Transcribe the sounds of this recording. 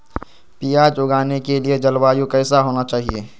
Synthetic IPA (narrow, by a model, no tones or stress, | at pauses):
piːaːd͡ʒʊɡaːnekelied͡ʒɐlwaːjukɛːsaɦoːnat͡ʃaːɦieː